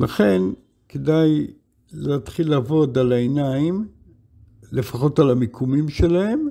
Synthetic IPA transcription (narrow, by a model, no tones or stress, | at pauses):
laχe̞n | kedaj | leat̪χilːaːvo̞dalaenaim | le̞faχo̞talamikʰumimʃe̞lahe̞m